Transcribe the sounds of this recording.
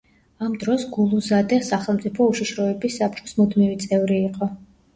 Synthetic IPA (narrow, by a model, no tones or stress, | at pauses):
amd̪ɾɔsɡulˠuzad̪ɛsaχɛlˠmt̪sʼipʰɔuʃiʃɾɔɛbisːap̚t͡ʃʼɔ̥smɔd̪mivit̪sʼɛvɾiːqʼɔ